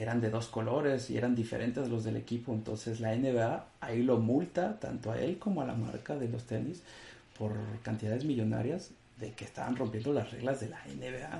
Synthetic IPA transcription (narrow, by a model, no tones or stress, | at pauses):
e̞ɾand̪e̞ðo̞sko̞lo̞ɾe̞sie̞̰ɾand̪ife̞ɾʔe̞nt̪ezlo̞zðe̞le̞̰kipo̞ent̪o̞̰nse̞zlaeneβea | ailo̞mult̪at̪a̰nt̪oa̰e̞̰lko̞moala̰ma̰ɾkaðe̞lo̞st̪e̞nispʰo̞ɾkant̪iðaðe̞zmiʝo̞na̰ɾjaz | ðe̞ke̞ːst̪a̰βa̰nro̞mpjend̪o̞lasre̞ɣlazðe̞laḛneβea